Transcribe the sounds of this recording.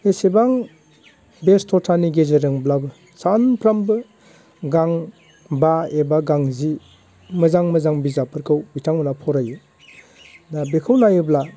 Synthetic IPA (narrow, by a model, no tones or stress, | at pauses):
esebaŋ | bestʰɔtʰaniɡezeɾɯŋblabɯ | sanpʰɾambɯ | ɡaŋ | baebaɡaŋzi | mɯzaŋmɯzaŋbizapʰɯɾkʰɯwbitʰaŋmɯnapʰɔɾajɯ | nabekʰɯwnajɯbla